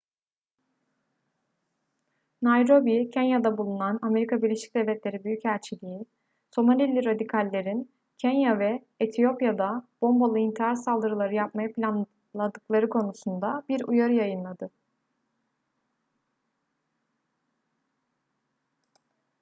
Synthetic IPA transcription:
najɾo̞bicʰɛnjad̪abulˠunaname̞ɾikʰabiɾlʲe̞ʃi̥c̚d̪ɛvlʲɛt̪lʲe̞ɾibyjycæɾt͡ʃʰilʲii | so̞manʲilʲːiɾad̪ikʰalʲːe̞ɾin | cʰɛnjavɛː | t̪ʰijo̞pjad̪ab̥o̞mbolˠɯint̪ʰiɦaɾsalˠd̪ɯɾɯlˠaɾɯjap̚majapʰlʲan | lˠad̪ɯklˠaɾɯkʰo̞nusund̪abiɾujaɾɯjajɯnlˠad̪ɯ

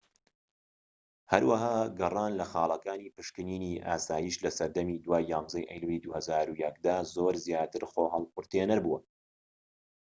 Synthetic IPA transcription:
hɐɾwɐɦaːɡɨrˤɑːnlɐxɑːlˠɐkaːniːpɨʃkɨniːniʔaːsaːjiːʃlɐsɐɾd̪ɐmiːd̪waːjːɑːnzɐjʔɛ̰jlwid̪uːhɐzaːɾujɐk̚d̪azoːɾzjaːt̪ɨɾχoːɦɐlˠpʊɾt̪eːnɐɾbuːɐ

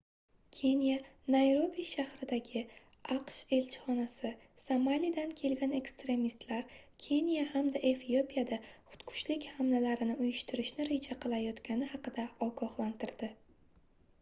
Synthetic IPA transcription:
kʲʰe̞nija | najɾo̞biʃahɾɪd̪aɡʲɪ | ɑqʃe̞lt͡ʃʰɪ̥χɒnasɪ | samalid̪ankʲʰe̞lɡʲane̞kst̪ɾe̞mist̪laɾkʲʰe̞nijahamd̪aʔe̞fio̞pʰijad̪aχʊ̥t̪kʰʊ̥t͡ʃlɪkʲhamnalaɾɪnɪʊjɪʃt̪ʰɪɾɪʃnɪɾe̞d͡ʒaqʰɨlˠajɒt̪kʲʰanɪhɑqɨd̪aɒɡɒhlant̪ʰɪɾd̪̥ɪ

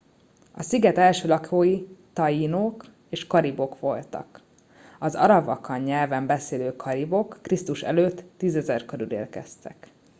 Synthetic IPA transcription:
ɒsiɡɛt̪ɛlʃøːlɒkʰoːjit̪ɒjinoːk | eːʃkɒɾibo̞kʋo̞lt̪ɒ̰k | ɒzɒ̰ɾɒbɒ̰kɒɲːɛlvɛmbɛseːløːkʰɒɾibo̞kːrist̪uʃɛ̰løːt̪ːiːzɛzɛrkøɾylḛːlkɛst̪ɛk

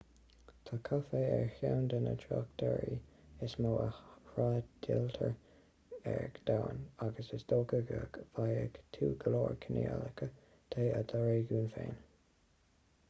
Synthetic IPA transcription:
t̪ʰakʰɔfeːɛɹhawnd̪ənə̰tʰɹakt̪ʰɛɹi | ɪsmoːəɹaːdʰɪlt̪ʰəɹ | ɛɹkd̪̥awənaɡəsɪsd̥̪oːɡəɡəɡv̥ajəɡtʰuːɡəloːɹkʰɪnialəkʰə | t̪ʰeːəd̪əɹeːɡuːnfeːn

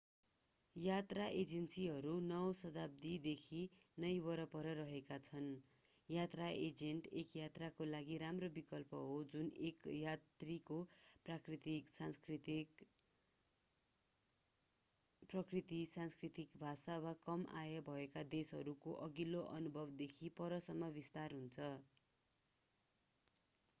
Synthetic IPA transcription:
jat̪raʔed͡zensiɦʌɾunʌwsʌd̪ab̚d̪id̪ekʰinʌjwʌɾʌpʌɾʌɾʌɦekat͡sʰʌn | jat̪raʔed͡zeɳʈekjat̪rakolaɡiɾamrobikʌlpʌɦod͡zunekjat̪rikoprakrit̪iksanskrit̪i | prʌkrit̪isanskrit̪ikbʱasawakʌmʔa̰jʌbʱʌekad̪esɦʌɾukoʔʌɡiloʔʌnubʱʌbd̪ekʰipʌɾʌsʌmːʌbist̪arɦunt͡sʰʌ

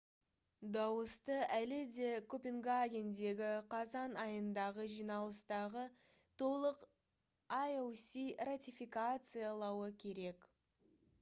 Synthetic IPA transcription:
d̪ɑwəst̪əælɪd̪e̞kʰopʲeŋɡaɡʲend̪e̞ɡʲɪqʰɑzɑnɑjənd̪ɑʁəʒijnɑlˠəst̪ɑʁə | t̪ʰo̞lˠəq | ajowsirat̪ʲifʲikat̪sɨjalˠɑwəkʲʰe̞ɾe̞k

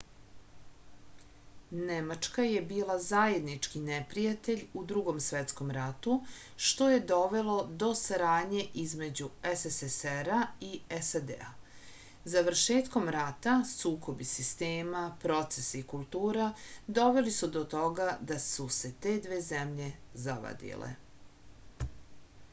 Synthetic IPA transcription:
nemat͡ʂkajebiːlˠazaje̞d̪nit͡ʂkinepɾijat̪e̞ʎud̪ɾuɡo̞msʋet̪sko̞mɾat̪u | ʃt̪o̞je̞d̪o̞ʋe̞lo̞d̪o̞saɾaːd̪ɲe̞ʔizme̞d͡ʑueseseseɾaiesad̪ḛa̰ | zaʋr̩ʃe̞ːt̪ko̞mɾat̪asuːko̞bisist̪eːmapɾo̞t̪sesikulˠt̪uːɾad̪o̞ʋe̞lisud̪o̞t̪o̞ɡad̪asuse̞t̪e̞ːd̪ʋeːzemʎe̞zaʋa̰d̪ḭlḛ

